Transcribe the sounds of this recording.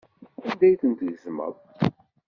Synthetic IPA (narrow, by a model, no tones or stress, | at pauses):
ænd̪æjθənt̪ʝəzmə̰ðˤ